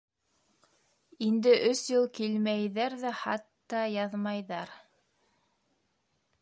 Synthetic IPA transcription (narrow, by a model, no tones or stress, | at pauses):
ind̪ɘʔɵsjɤlˠkilmæjðæɾðæχɑt̪ːɑjɑðmɑjðɑɾ